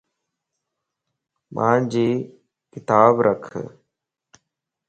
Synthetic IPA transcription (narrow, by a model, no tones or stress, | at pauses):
mʔã̰ːɳd͡ʑiː | kɪt̪aːbɾʔəkʰ